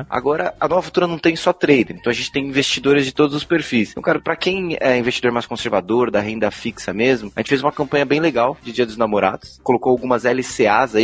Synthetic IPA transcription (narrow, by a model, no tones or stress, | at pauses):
a̰ɡɔɾɐɐnɔvɐfu̥t̪uɾɐnɐ̃w̃t̪ẽj̃sɔt̪ɾejd̪ɪɾ̃ẽt̪ɐ̃w̃ɐʒẽnt͡ʃɪ̥t̪ẽj̃ĩvest͡ʃid̪oɾɪzd͡ʒɪt̪od̪ʊzʊspeɾfisɐ̃kaɾpɾɐkẽj̃ɛĩvest͡ʃid̪oɾmajskõseɾvad̪oɾd̪ɐɦẽnd̪ɐfiksɐmezmʊɐʒẽt͡ʃɪfezũmɐkɐ̃mpɐ̃ɲɐbẽj̃leɡawd͡ʒɪd͡ʒiɐd̪ʊznamoɾa̰d̪ʊskolokowawɡũmɐzɛlɪseazai